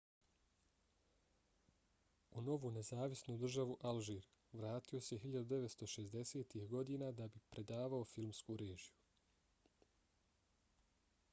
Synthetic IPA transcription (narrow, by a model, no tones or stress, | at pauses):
uno̞ʋune̞zaːʋisnud̪r̩ʒaʋuʔalʒiːɾ | ʋɾaːt̪io̞se̞ɦiʎad̪ud̪e̞ʋet̪st̪o̞ʃe̞zd̪e̞se̞ːt̪ihɡo̞d̪iːnad̪abipɾe̞d̪aːʋao̞filmskuɾe̞ːʒiju